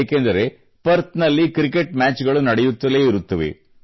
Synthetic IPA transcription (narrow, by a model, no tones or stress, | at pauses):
kend̪ɐɾe̞ | pɐɾt̪nɐlːikɾik̬ːe̞ʈ̚maːt͡ʃɡɐɭunɐɽejut̪ːɐle̞ːiɾut̪ːɐʋḛ